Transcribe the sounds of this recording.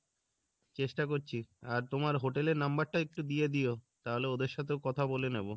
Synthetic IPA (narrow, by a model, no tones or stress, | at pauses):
t͡ɕeʃʈakoɾt͡ɕʰiaɾt̪omaɾɦoʈeleɾnambaɾʈaek̚ʈud̪ijed̪ijot̪aɦoleod̪eɾʃat̪ʰeokɔt̪ʰabolenebo